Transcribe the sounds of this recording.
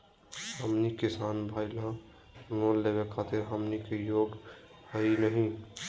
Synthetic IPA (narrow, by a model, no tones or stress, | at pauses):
ɦəmnikisaːnbʱaɪlã | nollebekʰat̪eɾɦəmnikejoɡ | həinəɦĩ